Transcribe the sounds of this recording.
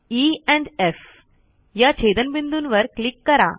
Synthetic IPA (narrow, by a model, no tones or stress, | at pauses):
iɛ̃ɳɖef | jat͡ɕʰed̪ənbind̪unʋəɾklikːəɾa̰